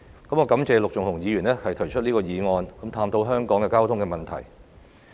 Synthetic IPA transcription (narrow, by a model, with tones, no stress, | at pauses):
kɐ˨˥mŋɔː˨˧kɐ˨˥mt͡sɛː˧lʊ˨k̚t͡ʃʊ˨ŋhʊ˨˩ŋjiː˨˧jyː˨˩nɛː˥hɐ˨jt̪ʰɵ˨˩jt͡ʃʰɵ˥t̚niː˥kɔː˧jiː˨˧ŋɔː˧nkɐ˨˥mt̪ʰaː˧mt̪o˧˥wɦœː˥ŋkɔː˨˥ŋkɛː˧kaː˥wt̪ʰʊ˥ŋkɛ˧mɐ˨˩nt̪ʰɐ̰˨˩j